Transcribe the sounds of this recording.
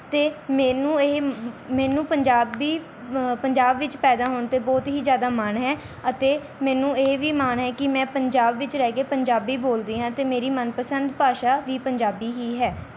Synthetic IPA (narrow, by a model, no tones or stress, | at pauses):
t̪eːmɛːnũːeːmɛːnũːpəɲd͡ʒaːbiː | pəɲd͡ʒaːbʋɪt͡ʃpɛːd̪aːɦoːɳt̪eːbɔːt̪ɦiːzjaːd̪aːmanɦɛː | ət̪eː | mɛ̃ːnũːeːʋiːmaːnɦɛːkɪmɛ̃ːpəɲd͡ʒaːbʋɪt͡ʃɾɛːkeːpəɲd͡ʒaːbiːboːld̪iːɦãːt̪eːmeːɾiːmənpəsənd̪paːʃaːʋiːpəɲd͡ʒaːbiːɦiːɦɛː